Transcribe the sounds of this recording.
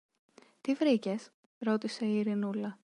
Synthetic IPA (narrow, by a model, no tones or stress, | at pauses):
t̪ivɾice̞s | ɾo̞t̪ise̞iːɾinulɐ